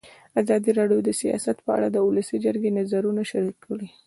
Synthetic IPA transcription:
azɑd̪iɾɑɖjod̪əsijɑ̰sat̪pəa̰ɽad̪əulasid͡ʒəɾɡenazaɾunaʃaɾikʰːəɽi

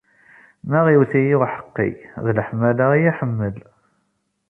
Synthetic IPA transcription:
mæʁiwθijiħə̥qːḭðləħmælajæħəmːəl

